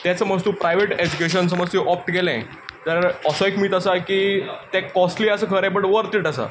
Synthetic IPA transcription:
t̪jat͡səməs̬t̪uːpɾajʋeʈed͡ʑukeɕ̬əns̬əməd͡zt̪iʔɔp̚ʈɡelɛ̃ | t̪əɾɾɔsɔikmiːt̪əsakiːt̪ɛ̃kɔsʈliːəsəkʰəɾɛ̃p̬əɳʈʋəɾt̪iːʈəsa̰

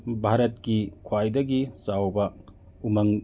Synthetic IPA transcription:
bʱaɾɐt̚kikʰwajdɐɡisawbɐ | umɐŋ

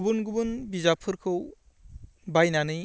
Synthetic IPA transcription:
bɯnɡubɯnbizapʰɯɾkʰɯw | bajnanɯj

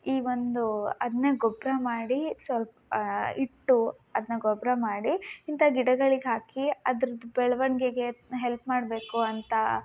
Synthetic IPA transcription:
iːʋond̪uɐd̪ɐnːeɡɔbɾɐmaːɽisʋɐlpɐiʈːu | ɐd̪ɐnɐɡɔbɾɐmaːɽiint̪ʰɐɡiɽɐɡɐɭiɡeɦaːkiɐd̪ɐɾɐd̪ubɛɭɐʋɐɳɡeɡe̞ɦelpmaːɽbe̞ːkuɐnt̪ɐ

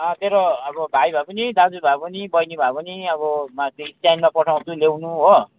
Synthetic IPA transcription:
ʌ̃t̪eɾoʌbʌbʱajbʱapʌnid̪ad͡zubʱapʌnibʌjnibʱapʌniʌβʌmat̪eistajnmapʌʈʰaw̃t͡s̪ʰulewnuɦo

